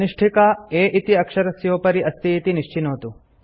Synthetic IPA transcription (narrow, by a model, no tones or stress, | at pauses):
ɐniʂʈʰikaeːʔit̪iɐkʂɐɾɐsjoːpɐɾiʔɐst̪iːt̪iniʂt͡ʃinoːt̪u